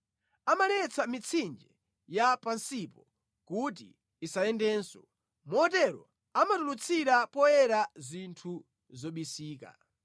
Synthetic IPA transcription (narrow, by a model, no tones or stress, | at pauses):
amalɛt͡sʰamit͡sʰind͡ʒɛ | japansipɔ | kut̬ḭː | saɛndɛːnsɔ | mɔɔt̬ɛɾɔ̰ | amatulut͡sʰiɾapɔjɛɾazintʰu | zɔɓisiːka̰